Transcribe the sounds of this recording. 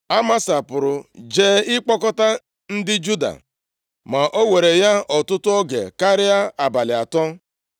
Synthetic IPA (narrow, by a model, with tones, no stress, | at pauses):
a˦ma˦sa˨pʊ˨ɾʊ˨d͡ʒeː˦ɪ˦k͡pɔ˦kɔ˦ta˦ | n̩˦dɪ˦d͡ʒu˦da̰˨ | ma˨ʔo˦we˨ɾe˨ja˦ɔ˨tʊ˦tʊ˦ɔ˦ɡḛ˨ka˦ɾɪ˦a˦a˨ba˨lɪ˨a˨tɔ˦